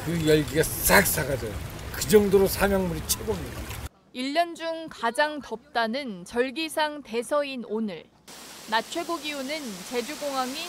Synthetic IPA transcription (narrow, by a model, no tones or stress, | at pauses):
kɯjʌɭɡiɡas͈ak̚s͈aɡad͡ʑʌjokɯd͡ʑʌŋdoɾosʰamjʌŋmuɾit͡ɕʰebomɲida̰ | iʎːʌnd͡ʑuŋkad͡ʑaŋtʌp̚t͈anɯnt͡ɕʌɭɡisʰaŋte̞sʰʌinonɯɭ | nat͡ɕʰwe̞ɡoɡiunɯnt͡ɕe̞d͡ʑuɡoŋɦwaŋi